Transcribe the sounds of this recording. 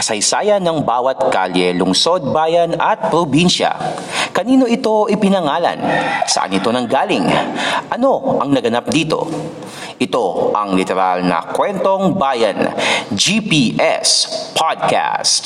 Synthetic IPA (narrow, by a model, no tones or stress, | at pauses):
kɐsɐjsaːjɐnɐŋbaːwɐt̪̚kaljɛlʊŋso̞d̪̚baːjɐnɐt̪̚pɾobinʃɐ̰ | kɐniːno̞ʔɪt̪o̞ʔɪpɪnɐŋaːlɐ̰nsɐʔa̰nɪt̪o̞nɐŋɡaːlɪŋʔɐno̞ʔɐŋnɐɡɐnap̚d̪iːt̪o̞̰ | ʔɪt̪o̞ʔɐŋlɪt̪ɛɾalnɐ̰kwɛnt̪o̞ŋbajɐ̰nd͡ʒipiʔɛ̰spʰad̪̚ka̰st̪